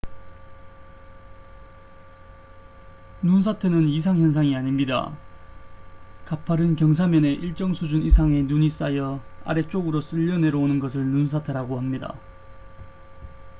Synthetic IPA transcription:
nuns̬ʰatʰe̞nɯnis̬ʰaŋçjʌns̬ʰaŋiaɲimɲida̰ | kapʰaɾɯnkjʌŋs̬ʰamjʌne̞ʔiɭt͡ɕ͈ʌŋsʰud͡ʑunisʰaŋe̞nuɲis͈ajʌa̰ɾe̞t͡ɕ͈oɡɯɾos͈ɯʎːʌne̞ɾoonɯnɡʌs̬ʰɯɭnuns̬ʰatʰe̞ɾaɡohamɲida̰

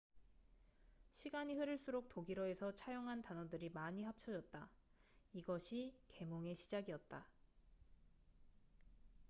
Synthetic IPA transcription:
ɕʰiɡaɲiɦɯɾɯɭs͈uɾok̚toɡiɾoe̞sʰʌt͡ɕʰajoŋɦantanʌdɯɾimaɲiɦap̚t͡ɕʰʌd͡ʑʌt̚t͈a | iɡʌɕʰike̞moŋe̞ɕʰid͡ʑaɡiʌt̚t͈a

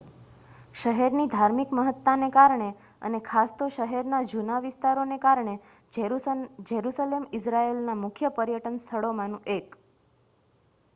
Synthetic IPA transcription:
ʃəɦɛɾnid̪ʱaɾmikməɦət̪ːanekaɾɳe | ə̰nekʰast̪oʃəɦɛɾnad͡ʒunaʋɪst̪aɾonekaɾɳe | d͡ʒəɾusalemɪsɾaelnamʊkʰjəpəɾjəʈənst̪ʰəɭomãnũʔek

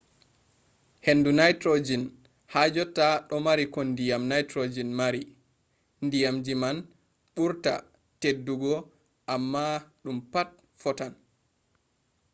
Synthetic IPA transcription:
henːdunajtɾod͡ʒin | had͡ʒɔtːaɗɔmaɾikɔndijamnajtɾod͡ʒinmaɾi | ndijamd͡ʒiman | ɓuɾta̰ | tedːuɡɔ | ʔamːaɗumpat̚ | fɔtan

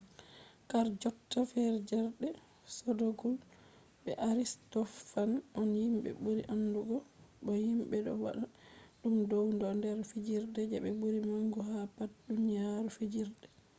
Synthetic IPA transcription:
kaɾd͡ʒɔtːafɛɾd͡ʒɛɾdɛ | sɔdoɡul | ɓɛʔaɾistɔfanɔnhimɓɛ̰buɾiʔanːduɡɔɗɔhimɓɛɗɔ̰wa̰ɗaɗumdɔwndɔndɛɾfid͡ʒiɾdɛd͡ʒɛɓɛbuɾimaŋɡuɦapat̚dunijaɾufid͡ʒiɾdɛ

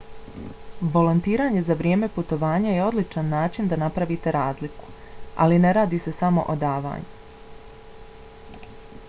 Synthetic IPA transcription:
ʋo̞lont̪iːɾaːɲe̞zaʋɾjeːme̞put̪o̞ʋaːɲaje̞o̞d̪lit͡ʃanːaːt͡ʃind̪anapɾaʋit̪e̞ɾaːzliku̥ | a̰line̞ɾaːd̪iːse̞samo̞̰ʔod̪aːʋa̰ːɲu

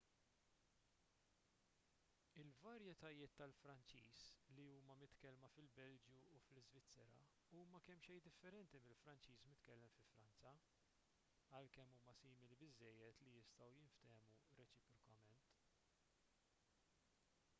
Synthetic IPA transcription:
ɪlvɐɾjɛt̪ɐjɪːt̪ːɐlfɾɐnt͡ʃḭːsliuːmɐmɪt̪kɛlmɐfɪlbɛld͡ʒjuːflɪzvɪt͡sːɛɾɐ̰ | uːmɐkɛmːʃɛjd̪ɪfːɛɾɛnt̪imɪlfɾɐnt͡ʃiːsmɪt̪kɛlːɛmfɪfɾɐnt͡sɐ | ɐlkɛmːuːmɐsiːmɪlibɪzːɛjːɛt̪lijɪst̪ɐwjɪnft̪ɛːmuɾɛt͡ʃɪpɾɔkɐmɛnt̪

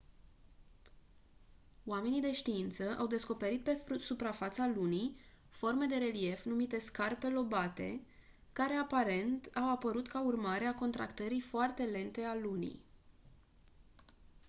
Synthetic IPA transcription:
oame̞nid̪e̞ʃt̪iint̪səʔa̰wd̪e̞sko̞pe̞ɾit̪̚pe̞usupɾafat̪salunij | fo̞rme̞d̪e̞ɾe̞lie̞fnumit̪e̞skarpe̞lo̞bat̪e̞̰ | kaɾe̞apaɾe̞nt̪awapəɾut̪kaurmaɾeako̞nt̪ɾa̰kt̪əɾifoart̪e̞le̞nt̪e̞alunḭj

